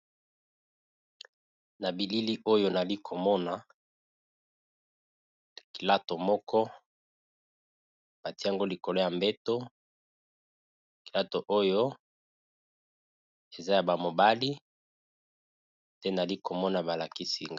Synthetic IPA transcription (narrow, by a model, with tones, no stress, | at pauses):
na˨bi˨li˦li˦ʔo˦jo˦na˨li˦kʰo˨mɔ˦na˨ | ki˨la˦to˨mɔ˦kɔ˦ | b̥a˨ti˦a˨ŋɡo˦li˨ko˨lo˦ja˨mbe˦to˦ | ki˨la˦to˨ʔo˦jo˦ | e˨za˦ja˨ba˨mo˨ba˦li˦ | te˦na˨li˦ko˨mɔ˦na˨ba˨la˨ki˦si˨ŋɡ